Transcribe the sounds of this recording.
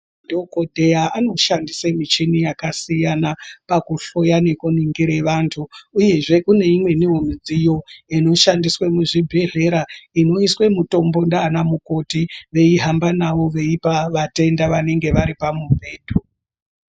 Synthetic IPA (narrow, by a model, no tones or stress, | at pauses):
dokodʱe̞aʔano̞ʃandisemit͡ʃinijakasijanapakuɬo̞jane̞kuniŋɡiɾe̞ʋantʰuːje̞ʐe̞kune̞imwe̞niɦomid͡zijo̞ino̞ʃandiswemuʐibʱe̞ɮe̞ɾaino̞iswe̞muto̞mbo̞ndaːnamuko̞tiʋe̞iɦambanaʋo̞ʋe̞ipaʋate̞ndaʋane̞ŋɡe̞ʋaɾipamubʱe̞ːd̥ʱo